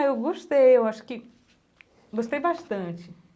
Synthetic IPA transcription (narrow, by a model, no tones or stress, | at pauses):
ewɡoʃt̪ejewaʃʊ̥kɪ | ɡost̪ejbaʃt̪ɐ̃t͡ʃɪ